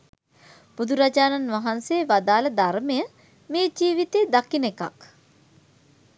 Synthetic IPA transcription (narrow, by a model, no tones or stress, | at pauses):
b̥ud̪uɾad͡ʒaːnanʋaɦanseːʋad̪aːləd̪armejə | meːd͡ʒiːʋit̪eːd̪akineka̰k